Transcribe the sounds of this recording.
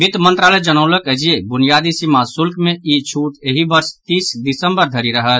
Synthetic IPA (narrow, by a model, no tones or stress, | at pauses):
ɡid̪mə̃nt̪ɾaːləjd͡ʒənəʊləkəd͡ʒiebʊnijad̪isimasʊlkmẽit͡ʃʰuʈeɦibəɾst̪iːsd̪isəmbəɾd̪ʱəɾiɾəɦət̪